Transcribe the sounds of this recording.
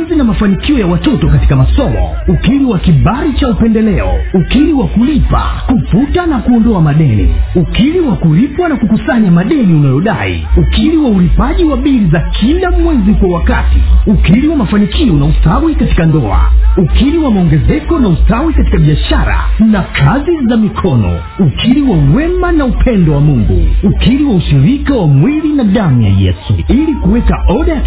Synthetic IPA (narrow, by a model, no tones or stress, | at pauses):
zinamafanikiɔjawatɔtɔkati̥kamasɔmɔ̰ukiliwakiɓaɾit͡ʃaupɛndɛlɛɔ̰ukiliwakulipa̰kuputanakuɔndɔamaɗɛnḭukiliwakuɾipwanakukusaɲamaɗɛniunajɔɗa̰ḭukiliwaulipaʄiwaɓiɾizakʰilamwɛzikwawakatḭukiɾiwamafanikʰiɔnausawikati̥kandɔ̰a̰ukiɾiwamaɔŋɡɛzɛkɔnausawikati̥kaɓiaʃaɾa̰nakʰazizamikʰɔnɔ̰ | ukʰiɾiwauwɛmanaupʰɛndɔwamuŋɡṵukiɾiwauʃiɾikawamwilinaɗamuja̰jɛ̰suilikuwɛkaʔɔɗa